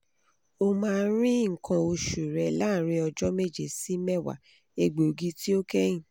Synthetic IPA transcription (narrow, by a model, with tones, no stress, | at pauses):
o˦mãː˦˧˦ɾ̃ĩ˦˨kʰã˧o˧ʃu˨ɾɛ˨˧la˦˨˦ɾ̃ĩ˧ɔ˧d͡ʒɔ˦me˦˨d͡ʒe˨si˨˦mɛ˦˨wa̰˨ | e˧ɡ͡bo˨ɡi˦ti˦o˦kɛ˦jĩ˦˨